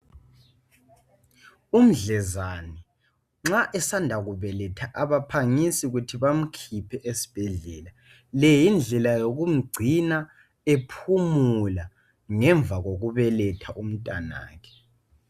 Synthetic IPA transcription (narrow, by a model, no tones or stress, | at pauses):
um̩ɮɛzani | ŋ͡ǁaʔɛsandʱaɣuβɛlɛtʰaʔaβapʰaŋisiɣutʰiβam̩kʰipʰɛʔesi̥b̥ʱɛɮɛːla | lɛjind͡ɮʱɛlajoɣum̩ɡ͡ǀʱina | epʰumula | ŋɛɱb̪vʱaɣoɣuβɛlɛtʰaʔum̩tʼana̰ːkʰɛ̥